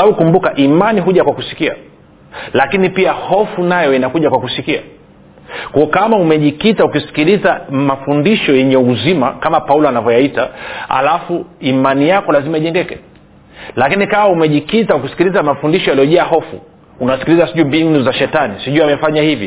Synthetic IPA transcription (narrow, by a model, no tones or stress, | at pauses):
aukumbukaʔimaniɦuʄakwakusi̥kia̰ | lakinipiahɔfunajɔinakuʄakwakusikia̰ | kɔɔkamaumɛʄikitaukisi̥kilizamafundiʃɔjɛɲɛuzimakamapaulɔanavɔjaitaa̰lafuimanijakɔlazimaiʄɛŋɡɛkɛ̰ | lakinikamaumɛʄikitauk̬isi̥kilizamafundiʃɔjalijɔʄɛahɔfṵ | unasi̥kilizasiʄumbinnuzaʃɛtanisiʄuamɛfaɲahivi